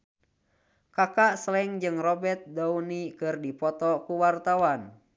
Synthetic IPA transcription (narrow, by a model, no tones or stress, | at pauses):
kakaʔslɛŋd͡ʒɨŋrɔbɛt̪̚dɔunikɨrdipɔt̪ɔkuwart̪awan